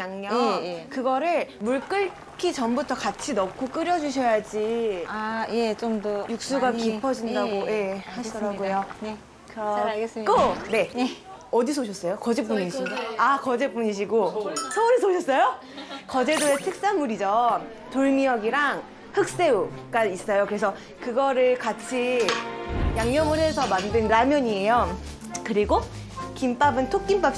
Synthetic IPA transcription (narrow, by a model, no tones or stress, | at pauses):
aŋɲʌekɯɡʌɾɯɭmuɭk͈ɯɭ | kʰit͡ɕʌmbutʰʌkat͡ɕʰinʌkʰok͈ɯɾjʌd͡ʑuɕʰʌjad͡ʑiajet͡ɕomdojuk̚s͈uɡakipʰʌd͡ʑindaɡoje̞haɕʰidɾaɡujo | kɯɾʌkone̞ʌdisʰoɕʰʌs͈ʌjokʌd͡ʑep͈uɲiɕʰiɡakʌd͡ʑep͈uɲiɕ̬ʰiɡosʰʌuɾɯsʰoɕʰʌs͈ʌjo | kʌd͡ʑe̞doetʰɯk̚s͈anmuɾid͡ʑʌ | toɭmijʌɡiɾaŋ | hɯk̚s͈e̞uɡais͈ʌjokɯɾesʰʌ | kɯɡʌɾɯɭkat͡ɕʰi | jaŋɲʌmɯɭɦe̞sʰʌmandɯnːamjʌɲie̞jo | kɯɾiɡo | kimp͈abɯntʰok͈imp͈ap̚